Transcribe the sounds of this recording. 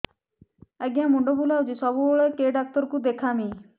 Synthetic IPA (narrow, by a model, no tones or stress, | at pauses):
əɡjãːmʊ̃ɳɖobuːlaːʊd͡ʒiːsɔbuoɭeːkeːɖaːk̚t̪əɾkuːd̪eːkʰãːmĩː